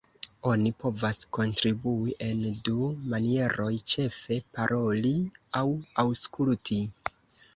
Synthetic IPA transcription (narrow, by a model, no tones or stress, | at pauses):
o̞nipo̞vasko̞ntɾibuiʔe̞ndumanie̞ɾo̞jt͡ʃe̞fe̞paɾʔo̞liawawskultʰi